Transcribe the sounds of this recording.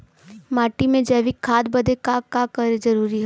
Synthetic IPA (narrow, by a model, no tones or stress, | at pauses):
maːʈimẽd͡ʒɛʋikʰːaːd̪̚bɐd̪ekakakəɾed͡ʒɐɾuːɾiɦɛ